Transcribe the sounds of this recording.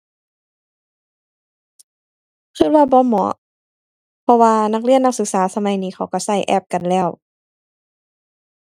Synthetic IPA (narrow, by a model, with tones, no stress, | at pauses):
kʰɯː˧˩t̚waː˧bɔː˧˦mɔ̰˨˩˦ | pʰɔ˧waː˧na˧˥k̚li˧˥ənːa˧˥k̚sɯ˨˦k̚saː˨˦sa˧ma˨˦jniː˧xʰa˧˩wka˧˩sa˧˩jʔɛ̰ː˧˩p̚ka˨nlɛː˧˩w